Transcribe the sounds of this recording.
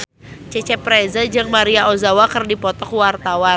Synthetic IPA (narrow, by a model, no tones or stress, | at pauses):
t͡ʃɛt͡ʃɛpɾɛzad͡ʒɨŋmaɾiaʔozawakɨrdipɔt̪ɔkwart̪awa